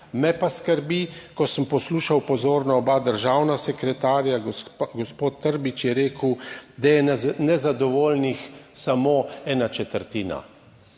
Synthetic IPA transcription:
mɛpaskəɾbikɔsəmpɔsluːʃawpɔzoːɾnaɔbad̪əɾʒawnasɛkɾɛt̪aːɾjaɡɔspoːt̪ːəɾbit͡ʃjɛɾeːkəwd̪ajɛnɛzad̪ɔʋoːlnixsamoːɛːnat͡ʃɛt̪əɾt̪iːna̰

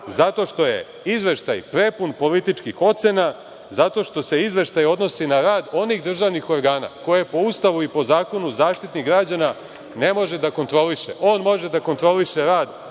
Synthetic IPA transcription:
zat̪o̞ʃt̪o̞je̞̰ | izʋe̞ʃt̪ajpɾe̞punpo̞lit̪it͡ʃkixo̞t̪sena | zat̪o̞ʃt̪o̞se̞izʋe̞ʃt̪ajo̞d̪no̞sinaɾaːd̪o̞niɣd̪r̩ʒaʋnixo̞ɾɡaːna̰ko̞je̞po̞ust̪aʋuipo̞zaːko̞nuzaːʃt̪it̪niɣɡɾad͡ʑana | ne̞mo̞ʒed̪ako̞nt̪ɾo̞liʃḛʔo̞ːnmo̞ʒed̪ako̞nt̪ɾo̞liʃeɾaːd̪

